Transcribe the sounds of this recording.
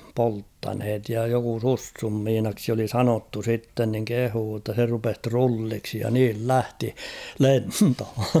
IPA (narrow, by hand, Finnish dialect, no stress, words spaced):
poltːɑnhet jɑ joku susːum miːnɑksi oli sɑnotːu sitːen niŋ kehuː tːɑ se rupes trulːiksi jɑ niːl læhti lentho